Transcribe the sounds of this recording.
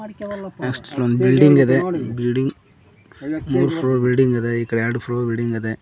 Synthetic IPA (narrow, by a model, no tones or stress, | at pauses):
ɛksʈlɐnd̪bɪlɖɪŋɡɐðebɪlɖɪŋɡ | muːɾɯfɾoːbɪlɖɪŋɡɐðɐɪkːɐɽɐjaːɽɯfɾoːbɪlɖɪŋɡɐðe